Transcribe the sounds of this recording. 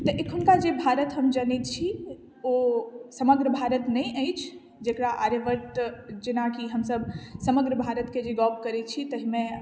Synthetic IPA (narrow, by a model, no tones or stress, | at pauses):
t̪əʔekʰunkad͡ʒebʱaɾət̪ɦəmd͡ʒənɛt̪̚t͡ʃʰi | osəməɡɾəbʱaɾət̪nəjʔəjt͡ʃʰ | d͡ʒekɾaʔaɾeʋəɾʈd͡ʒenakiɦəmsəbsəməɡɾəbʱaɾət̪ked͡ʒeɡɔbʰkəɾɛt̪̚t͡ʃʰit̪əɦimẽ